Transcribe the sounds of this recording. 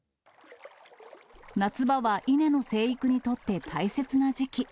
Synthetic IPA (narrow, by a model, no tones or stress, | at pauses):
nat͡sɨbaβaʔine̞no̞se̞ːikɯ̟ɲ̟it̪o̞t̪ːe̞t̪ʰaise̞t͡sɨnad͡ʑikʲi